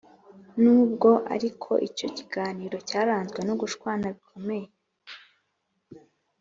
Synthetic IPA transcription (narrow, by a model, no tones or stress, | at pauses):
nuːbɡo̞ʔa̰ɾikʰo̞̰ʔico̞ciɡaːniːɾo̞caːɾaːnzɡwe̞noɡuʃkwaːnaβikʰo̞me̞jee